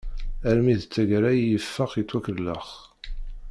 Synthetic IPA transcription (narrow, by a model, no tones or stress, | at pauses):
æɾmiðt͡sːæʝɾæjjəfːəχit͡sːwækəlːə̰χ